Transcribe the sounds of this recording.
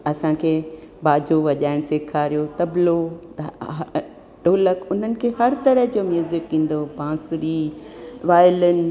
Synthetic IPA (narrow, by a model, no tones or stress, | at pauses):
ɐsãkʰeːbaːd͡ʑoʋɐʄaːɪɽ̃seːkʰaːɾijot̪ɐblo | ɖoːləkʊn̤ənɪ̆kʰeːhɐɾt̪ɐɾəɦd͡ʑoːmjuːzɪkːĩːn̆d̪obãːsʊɾiʋaːɪlən̆